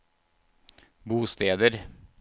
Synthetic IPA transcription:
buːst̪eːd̪əɾ

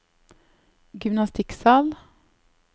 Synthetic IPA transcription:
ɡʏmnɑst̪ɪksɑːl

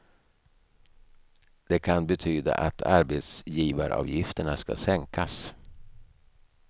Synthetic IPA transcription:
d̪̥ɛkʰanbɛt̪ʰyːd̪a̰ʔat̪ʰa̰ɾbet̪sjiːvaɾɑ̰ːvjɪft̪əɳaska̰sɛŋkʰas

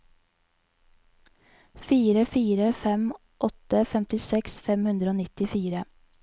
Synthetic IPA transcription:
fiːɾəfiːɾəfɛm | ʔɔt̪əfɛmt̪ɪsɛksfɛmhʉnd̪ɾoːnɪt̪ɪfiːɾə

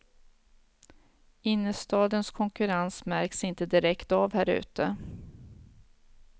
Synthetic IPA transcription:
ɪnːəst̪ɑːd̪ənskʰɔŋkɵɾansmæɾksɪnt̪əd̪ɪɾɛkt̪avhæːɾʉ̟̰ːt̪ə

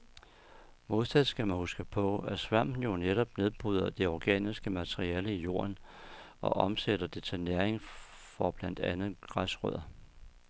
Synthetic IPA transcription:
mo̝ðˠt͡sʰæðˠsɡ̥æmænhusɡ̥əpʰɒ̽æsʋæm̰n̩jo̝neɾ̥ɒ̽b̥ne̝ð̞ˠb̥ʁuð̞̰ˠɐd̥e̝ɒɡ̥ɛ̰ːnisɡ̥əmæt͡sʰʁiɛːləijo̝̰ːɐnɒ̽ʔɒ̽mseɾ̥ɐd̥e̝t͡sʰe̝næɐeŋ | fɒb̥læn̰d̥ænð̩ˠɡ̥ʁasʁœð̰ˠɐ

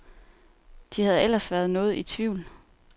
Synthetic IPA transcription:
d̥ihæð̞ˠel̰ɐsʋæɐðˠnɔ̽ːð̞̩ˠit͡sʰʋiʊ̰l

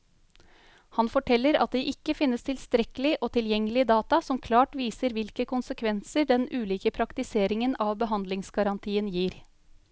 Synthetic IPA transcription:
hɑnfɔʈʰɛlːəɾɑ̰t̪̚d̪ɛːʔɪkːəfɪnːəst̪ʰɪlst̪ɾɛkəlɪʔoːt̪ʰɪljɛŋːəlɪd̪ɑːt̪ɑsɔmkʰlɑːʈʋiːsəɾʋɪlkəkʊnsəkʰʋɛnsəɖɛnʉːliːkəpʰɾɑkt̪ɪseːɾɪŋənɑːʋbəɦɑnd̪lɪŋsɡɑɾɑnt̪ʰiːənjiːɾ

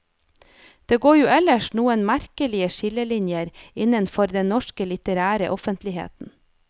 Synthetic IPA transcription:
d̪̥eːɡoːjuːɛləʃnuːənmæɾkəlɪəʃɪləlɪnjəɾɪnənfɔɾd̪ɛnnɔʃkəlɪt̪əɾæːɾə̰ʔɔfənt̪lɪhḛːt̪n̩

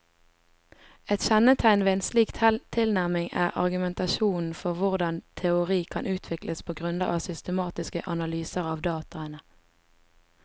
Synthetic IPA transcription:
ɛt̪ʃɛnət̪ʰæɪnʋeːeːnsliːkt̪ʰt̪ʰɪlnæʁmɪŋæ̰ːʁɑ̰ʁɡʉmɛnt̪ɑʃuːnn̩fɔʁʋʊʁd̪ɑnt̪ʰɛʊʁiːkʰɑnʔʉːt̪ʰʋɪkləspʰoːɡʁʉnd̪ə̰ʔɑ̰ːsʏst̪əmɑːt̪ɪskəʔɑnɑlyːsəʁɑːʋd̪ɑːt̪ɑənə

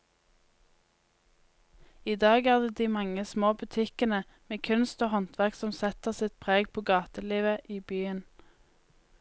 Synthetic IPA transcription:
iːd̪ɑːɡæːʁd̪eːd̪iːmɑŋəsmoːbʉt̪ʰɪkənə | meːkʰʉnst̪oːhɔnt̪ʰʋæʁksɔmsɛt̪əʁsɪt̪̚pʰʁeːɡpʰoːɡɑːt̪əliːʋəʔiːbyːən

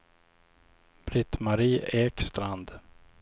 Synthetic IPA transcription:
b̥ɾɪt̪maɾiːeːkst̪ɾand̪

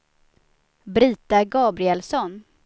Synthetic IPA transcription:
bɾiːt̪aɡɑːbɾɪɛlsɔn

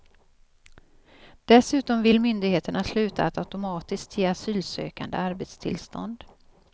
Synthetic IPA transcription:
d̪̥ɛsʉ̟ːt̪ɔmvɪlmʏnd̪ɪɡheːt̪əɳaslʉ̟ːt̪ʰa̰ːt̪aʉt̪ʊmɑːt̪ɪsk̚t̪ʰjeːasyːlsø̰ːka̰nd̪ə̰aɾbet̪st̪ʰɪ̰lst̪ɔ̰nd̪

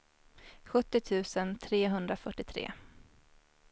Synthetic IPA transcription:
ɧɵt̪ːɪt̪ʰʉ̟ːsənt̪ʰɾeːɦɵnd̪ɾafœʈːɪt̪ʰɾḛː

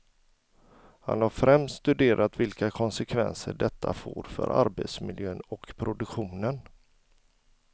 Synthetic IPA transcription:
ha̰nhaɾfɾɛmsst̪st̪ɵd̪eːɾʔat̪vɪlkakʰɔnsɛkʰvɛnsəɖɛt̪ʰːafoːɾfœ̰ɾa̰ɾbet̪smɪljøːnɔkpʰɾʊd̪ɵkɧuːnən

